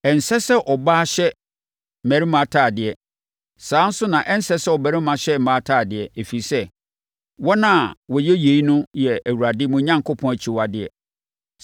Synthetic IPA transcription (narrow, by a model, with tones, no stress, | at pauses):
ɛ˨n̩˨sɛ˦sɛ˦ʔɔ˨baː˦ɕɛ˦˨ | mæ̃˨ɾi˦mã˨˦tʰaː˦˨dɪ˨ɛ˨ | sãː˨˦n̩˦sʊ˦nã˨ʔɛ˦n̩˦sɛ˦sɛ˦ɔ˨bæ˨ɾɪ˦mã˨ɕɛ˦m̩˨baː˦tʰaː˦˨dɪ˨ɛ˨e˨fi˨i˨sɛ˦ | wɔ˦nã˦˨wɔ˨jɛ˦je˨˦i˦nʊ̃˦jɛ˨æ˨wu˨ɾa˨dɪ˦mʊ̃˨ɲã˦ŋkʰʊ˦pʰɔ̃˨˦æ˨t͡ɕʰi˨wa˨dɪ˨ɛ̰˨